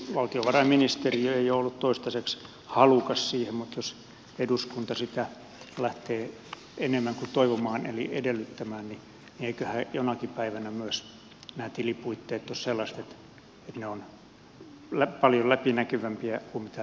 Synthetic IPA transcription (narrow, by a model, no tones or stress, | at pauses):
ʋɑlt̪ioʋɑrɑminist̪eriøeioolːut̪t̪oist̪ɑseks | hɑlukɑssiːhemmut̪jos | eduskunt̪ɑsit̪æ | læht̪eː | enemːæŋkut̪oiʋomɑːnḛlḭedelːyt̪ːæmæːnni | nieikøhæːjonɑkipæiʋænæmyøs | næːt̪ilipuit̪ːeːt̪ːosselːɑst̪et̪ | et̪neon | læpɑljolæpinækyʋæmpiækumit̪æ